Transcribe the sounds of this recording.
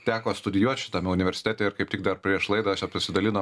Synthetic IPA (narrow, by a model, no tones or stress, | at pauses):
t̪ʲæːkoːst̪ʊd̪ʲɪjuɔt̪ʲʃʲɪ̥t̪ɐmʲɛʊnʲɪʋʲɛɾʲsʲɪ̥t̪ʲæːt̪ʲeːɪɾkɐɪpt̪ʲɪk̚d̪ɐrpʲɾʲiɛʃlˠɐɪd̪ɐɐʃʲjɛpɪsʲɪd̪ɐlʲɪnoː